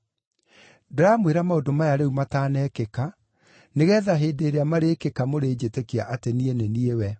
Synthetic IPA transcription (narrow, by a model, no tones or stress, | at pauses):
deɾamweɾamaodomajaɾeumataːnɛkeka | neɣɛːðaɦeːdeːɾeamaɾeːkekamoɾeːd͡ʑetekiaʔatenieneniewɛ